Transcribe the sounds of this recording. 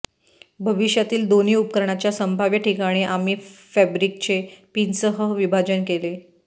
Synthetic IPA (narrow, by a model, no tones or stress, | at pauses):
bʱəʋiɕjat̪iːld̪oniːup̚kəɾɳ̃at͡ɕjasəmbʱaʋjəʈʰikaɽ̃iːʔamiːfæbɾik̚t͡ɕepinsəɦəɦʋibʱad͡ʑənkele